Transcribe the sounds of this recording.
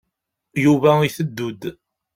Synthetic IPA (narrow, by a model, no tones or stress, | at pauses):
juvæiθəd̪ːud̪